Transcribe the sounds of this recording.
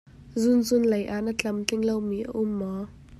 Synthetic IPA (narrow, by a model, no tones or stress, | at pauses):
zʊnzʊnlejʔaʔnət͡ɬɐmt͡ɬɪŋlowmiːʔə̰ʔʊmːɔ